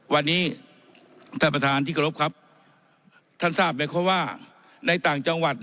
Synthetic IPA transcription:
wa˧nːiː˦˥ | t̪ʰaː˧˩pa˧t̪ʰaː˧nt̪iː˥˩ka˧˩o˦˥p̚kʰa˦˥p̚ | t̪ʰa˥˩nsaː˥˩p̚ma˧˥˩kʰɔ˦˥waː˥˩ | na˧jt̪aː˨˩ŋt͡ɕa˧ŋwa˨˩t̪̚

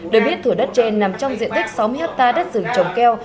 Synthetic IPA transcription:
ɗɨː˨˩ɓi˦˥ət̪ʰːu˧˩əɗə˦˥t̚t͡ɕe˧nːa˨˩mt͡ɕɔ˧wŋ͡mzḭ˧˨ənt̪i˦˥k̚sa˨˦wmɨ˧haː˦˥p̚t̪aː˧ɗə˦˥t̚zɨ˨˧˩ŋt͡ɕə˨˩wŋ͡mkɛ˧w

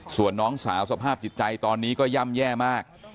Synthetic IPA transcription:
su˨˩ənːɔː˦˥ŋsaː˩˦wsa˧pʰaː˥˩p̚t͡ɕi˨˩t̪̚t͡ɕa˧jt̪ɔː˧nːiː˦˥kɔː˥˩ja˥˩mjɛː˥˩maː˥˩k̚

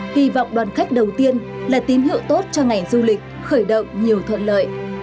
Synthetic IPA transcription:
hi˧vɔ̰˧˨wŋ͡mɗwaː˨˩nxa˦˥jk̟̚ɗə˨˩wt̪i˧ənlaː˨˩t̪i˨˦mhḭ˧˨əwt̪o˦˥t̚t͡ɕɔ˧ŋa˨˩jzu˧lï˨˩k̟̚xəː˧˩jɗə̰˧˨wŋ͡mɲi˨˩əwt̪ʰwə̰˧˨nlə̰ː˧˨j

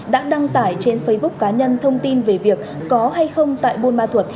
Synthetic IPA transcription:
ɗa̰ː˧˥ɗa˧ŋt̪aː˧˩jt͡ɕe˧nfə˨˦jɓʊ˦˥k͡p̚ːaː˨˦ɲə˧nt̪ʰə˧wŋ͡mt̪i˧nve˨˩vi˨˩ək̚ːɔ˨˦ɦa˧jxə˧wŋ͡mt̪a̰ː˧˨jɓo˧nmaː˧t̪ʰwə˨˩t̚

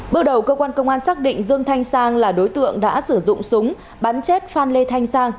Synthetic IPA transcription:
ɓɨ˧əw̚ɗə˨˩wkəː˧kwaː˧nkə˧wŋ͡mʔaː˧nsaː˦˥k̚ɗḭ˧˨ŋ̟zɨ˧əŋt̪ʰa˧jŋ̟saː˧ŋlaː˨˩ɗo˨˦jt̪ɨ̰˧˨əŋɗa̰ː˧˥sɨ˧˩zʊ̰˧˨ŋ͡msʊ˨˦ŋ͡m | ɓaː˨˦nt͡ɕe˦˥t̚faː˧nle˧t̪ʰa˧jŋsaː˧ŋ

